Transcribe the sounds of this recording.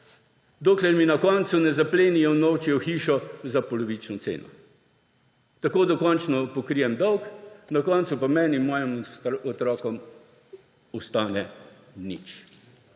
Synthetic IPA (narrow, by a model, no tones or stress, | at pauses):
d̪oːklɛɾminakɔnt̪sunɛzapleːnijɔnɔwt͡ʃjɛwxiːʃɔzapɔlɔʋit͡ʃnɔt̪sḛːnɔ̰ | t̪akoːd̪ɔkɔnt͡ʃnɔpɔkɾijɛmd̪ɔwknakɔnt̪supamɛninmɔːjəmɔt̪ɾɔːkɔm | ɔst̪aːnɛ | nḭt͡ʃ